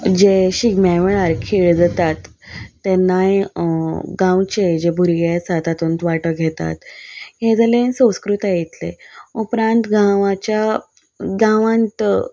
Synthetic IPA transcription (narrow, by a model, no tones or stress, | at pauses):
d͡ʑeɕiɡmaʋɭaɾkʰiɭd͡zat̪at̪ː | enːaj | ɡãwt͡ɕed͡ʑebʱuɾɡat͡sat̪at̪unt̪ʋaʈəɡʱet̪a̰t̪ɦed͡zalensə̃w̃skɾut̪ajit̪lḛupɾãnt̪ɡãʋat͡ɕja | ɡãʋãnt̪